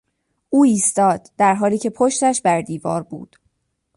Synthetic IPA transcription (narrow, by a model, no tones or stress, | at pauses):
ʔuːiːst̪ɒːd̪̥ːæɾɦɒːliːcʰe̞pʰoʃt̪æʃbæɾd̪iːvɒ̰ːɾbṵːd̪̥